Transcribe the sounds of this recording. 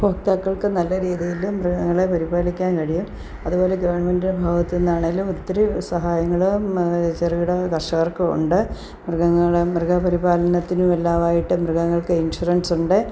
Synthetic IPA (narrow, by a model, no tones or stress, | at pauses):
foːkt̪aːkːɐɭkɨnɐlːɐɾiːðijilumrɨɡɐŋːɐɭepɐɾibaːlikʲːaːnkɐɻijum | ɐðubo̞ːle̞ɡɐʋɐrɳːɐmendinebʱaːʋɐt̪ːenːaːɳeŋɡilumot̪ːɐɾusɐɦaːjɐŋːɐɭut͡ɕɐrijuɽɐkɐrʂɐɣɐrkɐṵɳɖɨ | mrɨɡɐŋːɐɭemrɨɡɐpɐɾibaːlɐnɐt̪ːinumelːaːʋaːjiʈːɨmrɨɣɐŋːɐɭkɨinʂuɾɐnɖsuɳɖɨ